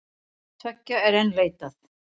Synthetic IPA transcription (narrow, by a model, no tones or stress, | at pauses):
t̪ʰœcːaɛɾɛnːleːjt̪aθ